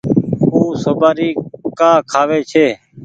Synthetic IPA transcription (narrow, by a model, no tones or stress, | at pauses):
uːsobaːɾiːkaːkʰaːʋeːt͡ʃʰeː